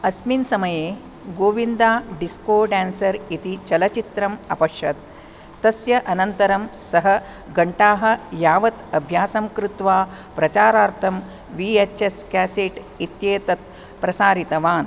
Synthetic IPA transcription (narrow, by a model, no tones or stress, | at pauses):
ɐsminsɐmɐjeː | ɡoːʋind̪aːɖiskoːɖæːnsɐɾit̪it͡ʃɐlɐt͡ʃit̪ɾɐmɐ̰pɐʂjɐt̪ː | ɐsjɐʔɐnɐnt̪ɐɾɐmsɐɦɐ | ɡɐɳʈaːɦɐ̆jaːʋɐt̪ɐbʱjaːsɐmkɾut̪ʋaː | pɾɐt͡ʃaːɾaːɾt̪ʰɐm | ʋiet͡ʃeskæːseːʈ | it̪jeːt̪ɐt̪̚ | pɾɐsaːɾit̪ɐʋaːn